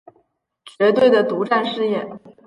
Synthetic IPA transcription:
t͡ɕɥɛ˧˥t̪we˥˩ɪd̪ə˩t̪u˧˥ʈ͡ʂa˥˧nʂɻ̩˥˧jɛ˥˩n

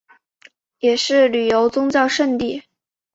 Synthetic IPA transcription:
jɛ˨˩ʂɻ̩˥˩ly˨˩jo˧˥ʊt͡sʊ˥ŋt͡ɕjɑ˥˧ʊʂə˥˧nt̪i˥˩

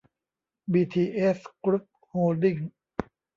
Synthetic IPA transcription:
biː˧t̪ʰiː˧ʔe˦˥sklu˦˥p̚hoː˧ldi˥˩ŋ

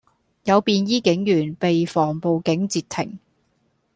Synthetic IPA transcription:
jɐ˨˧wpiː˨njiː˥kɪ˨˥ŋjyː˨˩npe˨jfɔː˨˩ŋpo˨wkɪ˨˥ŋt͡siː˧t̪ʰɪ˨˩ŋ

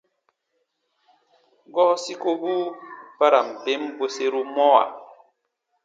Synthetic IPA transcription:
ɡɔ˦si˦ko˦buː˦pa˦ɾa˨m̩˨pe˦mbo˦se˦ɾu˦mɔ˦wa̰˨

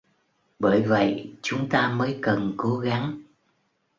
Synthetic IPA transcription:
ɓəː˧˩jvə̰˧˨jt͡ɕʊ˨˦ŋ͡mt̪aː˧məː˨˦jkə˨˩nko˨˦ɣa˨˦ŋ

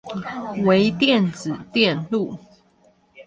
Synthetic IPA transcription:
we˧˦ɪt̪jɛ˥˨nd͡zɹ̩˨˩t̪jɛ˥˨nlu˥˨

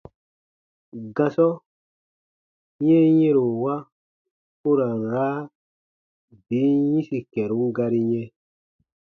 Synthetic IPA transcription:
ɡã˨sɔ˦ | ɲɛ̃˦jɛ̃˦ɾo˨wa˦ | u˦ɾa˨n˨ɾaː˦ | bi˨˦jĩ˦si˨kɛ˨ɾu˨˦ŋ˦ɡa˧ɾi˦ɲɛ̃˦

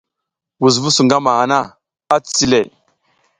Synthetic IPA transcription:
wu˨z̬vu˦su˨ŋɡa˦ma˨ha˨na˦˨ | a˦t͡si̥˨t͡si˦le˨

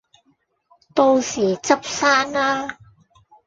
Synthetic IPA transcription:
t̪o˧wsiː˨˩t͡sɐ˥p̚saː˥naː˥

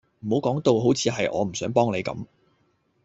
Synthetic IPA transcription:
m̩˨˩ho˨˥wkɔː˨˥ŋt̪o˨˧wɦo˨˥wt͡sʰiː˨˧ɦɐ˨jʔɔ̰ː˨˧m̩˨˩sœː˨˥ŋpɔː˥ŋle˨˧jkɐ̰˨˧˥m

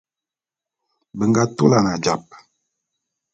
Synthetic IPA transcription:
bə˨ŋɡa˦to˦la˨na˨d͡ʒa˨p̚

